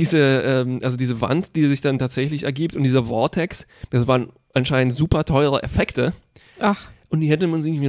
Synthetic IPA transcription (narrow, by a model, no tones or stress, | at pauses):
d̥iːzəʔɛːmʔalzodiːzəva̰ntd̥iːzɪçd̥antʰaːtz̥ɛçlɪçɛɐɡiːp̚tʊntd̥iːzɐvɔɐtʰɛksd̥asv̥aːʁən | ʔanʃaɪnntz̥uːpɐtʰɔʏʁə̰ʔefɛktə | aχʔʊnt̚d̥iːhɛtəmanzɪŋvi